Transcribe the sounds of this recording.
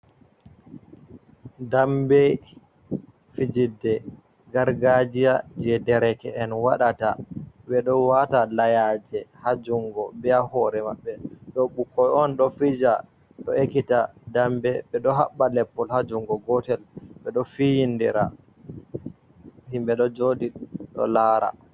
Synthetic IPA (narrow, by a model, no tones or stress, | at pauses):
dambɛ | fid͡ʒidːɛ | ɡaɾɡad͡ʒijad͡ʒɛdɛɾɛkɛɛnwaɗata | ɓɛɗɔwatalajad͡ʒɛhad͡ʒuŋɡɔbɛahɔɾɛmaɓːɛɗɔɓukːɔjɔnɗɔfid͡ʒa | ɗɔekitadambɛɓɛɗɔɦaɓːalɛpːɔlhad͡ʒuŋɡɔɡɔtɛlɓɛɗɔfijindiɾa̰ | himbɛɗɔd͡ʒodiɗɔ̰laːɾa̰